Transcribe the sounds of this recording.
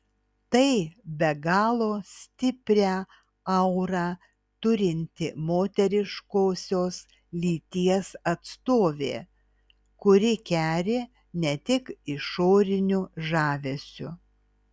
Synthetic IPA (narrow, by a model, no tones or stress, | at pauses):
t̪ɐɪbʲɛɡɑːlˠoːsʲt̪ʲɪpʲɾʲæː | ɐʊɾɑː | t̪ʊɾʲɪnʲt̪ʲɪmoːt̪ʲɛɾʲɪʃkoːsʲoːs | lʲiːt̪ʲiɛsɐt̪st̪oːʋʲḛː | kʊɾʲɪkʲæːɾʲeː | nʲɛt̪ʲɪkɪʃoːɾʲɪnʲʊʒɑːʋʲɛsʲʊ̰